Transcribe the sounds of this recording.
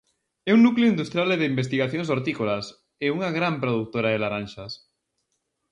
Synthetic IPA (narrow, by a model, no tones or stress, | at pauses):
ɛuŋnukleʊind̪ust̪ɾjaleðeimbest̪iɣaθjoŋs̬oɾt̪ikolas | euŋaɣɾampɾoðuk̚t̪oɾaðelaɾanʃas